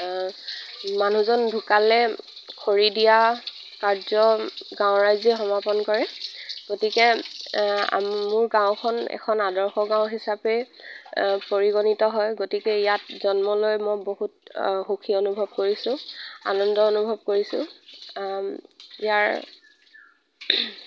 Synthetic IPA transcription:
manuzɔndʱukalɛkʰoɹidija | kaɹzɔɡãʊ̃ɹajzɛxɔmapɔnkɔɹɛɡ̥otikɛ | a̰mʊɹɡãʊ̃kʰɔnɛ̰kʰɔnadɔɹxɔɡãwʊɦisapɛ | poɹiɡonitɔɦɔjɡotikɛijatzɔnmɔlojmɔjboɦut̚xukʰionubʱɔb̚koɹisʊ̃a̰nɔndɔonubʱɔb̚koɹisʊ̰̃ | ijaɹ

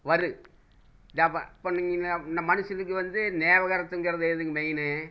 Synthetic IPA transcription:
ʋɐɾɯ | d̪ɐpːɐ̰pːoːniŋɡɐnɐnɐmɐnɯʂɐnɯkːɯʋɐnd̪ɯneːʋɐɣɐɾɐt̪ːɯŋɡɯɾɐðɯeðɯŋɡɐmɛjnɯ

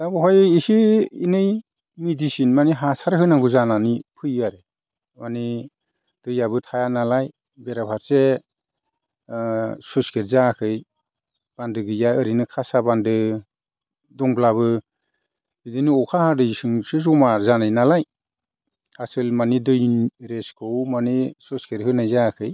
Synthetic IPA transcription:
dabɯɦɔjisiinɯj | midisinmaniɦasaɾɯhɯnaŋɡuzananipʰɯjɯaɾe | mani | d̥ɯjabɯtʰajanalaj | beɾabʰʱaɾse | susɡeɾzakʰɯj | b̥andɯɡɯjaɯɾinɯkʰasabandɯ | dɔŋblaβɯ | bidɯniɔkʰahadɯjsɯŋsɯzɔmaɾzanajnalaj | asɯlmanidɯjnɾeskʰɯwmanisɔskeɾhɯnajzakʰɯj

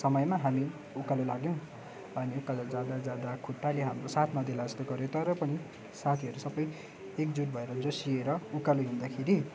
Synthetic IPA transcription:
sʌmʌjmaɦami | ukalolaɡj̃ | ʌniukalod͡zad̪ad͡zjad̪akʰuʈːaleɦamrosat̪ʰnʌd̪elastoɡʌɾjõt̪ʌɾʌpʌni | sat̪ʰiɦʌɾusʌbʌj | ekd͡zuʈ̚bʱʌeɾʌd͡zosieɾʌukaloɦũnd̪akʰeɾi

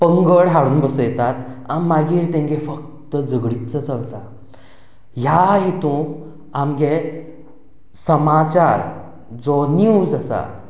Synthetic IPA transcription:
pəŋɡəɭɦaɽuːnbəsəjt̪at̪amːaɡiːɾt̪ẽŋɡefək | t̪əd͡zəɡɽitt͡sət͡səlt̪a | ɦjaɦit̪ũ | amɡe | səmat͡ɕaɾ | d͡zɔniũd͡zəsa̰

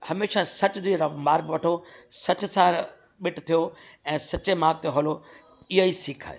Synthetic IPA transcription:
hɐmeːʃasɐt͡ɕʊd̪iɾɐmaːɾkʋɐʈʰosɐt͡ɕʊ̆sã | ɓɪʈʰt̪ʰijoɛ̃ːsɐt͡ɕemaːɡ̚t̪eɦoːlo | ɪɦoisiːkʰa̰ːje

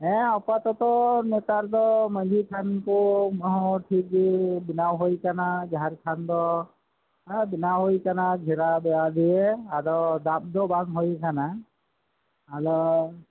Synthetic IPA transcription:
ɛ̃ɔpat̪ɔt̪ɔnɛt̪aɾd̪ɔmad͡ʒʱikʰankɔmɔɦɔʈʰik̚d͡ʒibinawɦojkanaɡaɾkʰand̪ɔ | binawɦojkanaɡʱiɾabɛad̪iɛadɔd̪ap̚d̪ɔbaŋɦojkʰana | aɾɔ

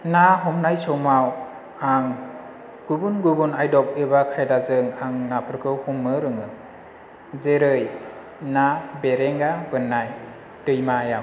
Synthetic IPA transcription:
naɦɔmnajsɔwmaw | aŋ | ɡ̥ubunɡubunajdɔp̚ɯbakʰajdazɯŋaŋnapʰɯɾkʰɯwhumːɯɾɯŋɯ | zeɾɯj | nabeɾeŋɡabɯnːaj | dɯjmajam

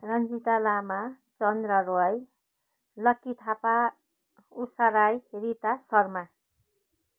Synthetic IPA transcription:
rʌnd͡zit̪alama | t͡sʌnd̪rʌɾoaj | lʌkːit̪ʰapa | usaɾajrit̪asʌrma

